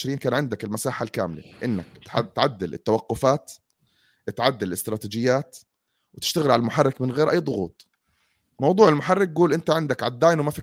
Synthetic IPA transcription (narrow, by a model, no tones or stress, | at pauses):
ʃɾiːnkaːnʕɪnd̪akɪlmasaːħalka̰ːmɪlḛʔɪnːa̰k̚t̪ħat̪ʕad̪ːɪlɪ̰t̪ːawaqːʊfaːt̪ | ʔɪt̪ʕad̪ːɪlɪlɪst̪ɾˤɑːt̪iːd͡ʒɪjːaːt̪ | wɪt̪ɪʃt̪aɣɪlʕalalmʊħarˤːɪkmɪnɣeːɾʔajːd̪ˤʊɣṵːt̪̚ˤ | mɑwd̪ˤuːʕɪlmʊħarˤːɪk̚ɡuːlʔɪnt̪aʕɪnd̪akʕad̪ːaːjnwmafiː